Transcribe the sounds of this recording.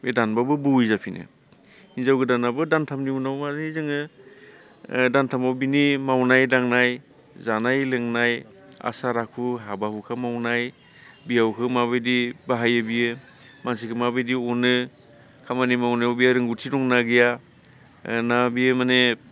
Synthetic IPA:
medanbabɯbɯwizapʰinʔɯ̰ | inzawɡɯdanabɯdantʰamniunawmazizɯŋɯ | dantʰamawbinimawnajdaŋnaj | zanajlɯŋnaj | a̰saɾakʰuɦabahukʰamawnaj | bijawkʰɯmabɯjdibaɦajɯbijɯ | mansikʰɯmabɯjdiɔnɯ | kʰamanimawnajawbijaɾɯŋɡutʰiɾɔŋnaɡija | nabijɯmane

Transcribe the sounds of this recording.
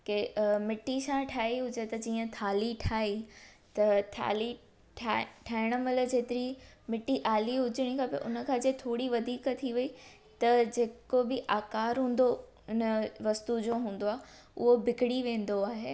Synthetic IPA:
kemɪʈːisãːʈʰaːiɦʊd͡ʑet̪ɐd͡ʑiːə̃t̪ʰaːliʈʰaːi | t̪ɐʈʰa̰ːli | aʈʰaːɪɽ̃əmələ̆d͡ʑeːt̪ɪɾi | mɪʈːiʔaːliɦʊd͡ʑɪɽ̃ikʰaːpɐ̰ʔʊ̰nə̆kʰãːd͡ʑet̪ʰoːɽiʋɐd̪ʱiːkət̪ʰiʋɐi | t̪ɐd͡ʑeːkobɪʔaːkaːɾɦũːn̆d̪o | ɪnəʋɐst̪ud͡ʑoːɦũːn̆d̪oaːɦe | ʊɦobɪkɪɽiʋẽːn̆d̪oaːɦeː

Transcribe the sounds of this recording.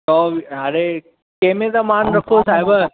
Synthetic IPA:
ɔːɦɐɾe | kẽɦmẽt̪ɐmaːnɾɐkʰosaːɦɪbə

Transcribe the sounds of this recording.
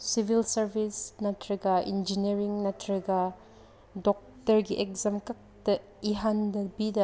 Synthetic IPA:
sivilsɐɾvisnɐt̪ʰɾɐɡaʔḭnd͡ʒiniɾiŋnɐt̪ɾɐɡa | dɔk̚tɐɾɡiʔɛk̚zɐmkɐk̚d̥ɐ | iɦɐndɐbidɐ

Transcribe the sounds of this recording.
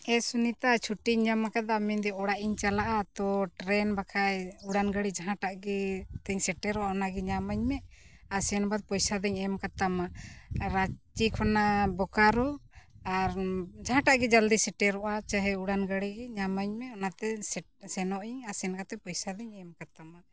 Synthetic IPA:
ɛsunit̪at͡ʃʰuʈiɲɲamakad̪amɛnd̪ɛɔɽaʔiɲt͡ʃalaʔat̪ɔʈɾɛnbakʰajuɽanɡəɽid͡ʒaɦãʈaʔɡɛt̪ɛɲsɛʈɛɾɔʔaɔnaɡɛɲamaɲmɛasɛnbad̪̚pɔjsad̪ɛɲɛmkat̪amaɾat͡ʃikʰɔnabɔkaɾɔ | aɾd͡ʒaɦãʈaʔɡɛd͡ʒald̪isɛʈɛɾɔʔat͡ʃaɦɛuɽanɡəɽiɡɛɲamaɲmɛɔnat̪ɛ | sɛnɔʔiɲasɛnɡat̪ɛpɔjsad̪ɛɲɛmkat̪ama

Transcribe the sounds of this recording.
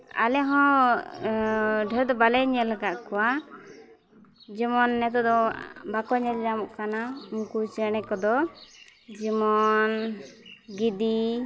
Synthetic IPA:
a̰lɛɦɔ̃ | ɖʱɛɾd̪ɔbalɛɲɛlaɡaʔkɔwa | d͡ʒimɔnːɛt̪̬ɔd̪ɔbakɔɲɛld͡ʒamɔʔkanaumkut͡ʃɛñɛkɔd̪ɔ | d͡ʒimɔn | ɡid̪i

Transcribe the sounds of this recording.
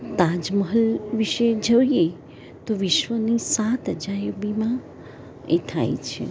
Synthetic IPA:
t̪ad͡ʒməɦəlʋiʃed͡ʒəʋje | t̪oʋɪʃʋənisat̪əd͡ʒajobimã | et̪ʰa̰jt͡ʃʰḛ

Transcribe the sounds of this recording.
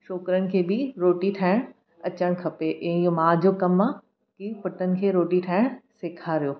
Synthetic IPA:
ʃoːkɾənɪ̆kʰeːbɪɾoːʈiʈʰaːɪɽ̃ | ɐt͡ɕəɽ̃kʰɐpeʔẽomãːd͡ʑoːkɐmã | kipʊʈənɪ̆kʰeːɾoːʈiʈʰaːɪɽ̃seːkʰaɾijoː

